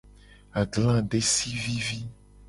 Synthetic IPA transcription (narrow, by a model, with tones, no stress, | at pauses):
a˨ɡlã˦ɖe˦si˦vi˦vi˦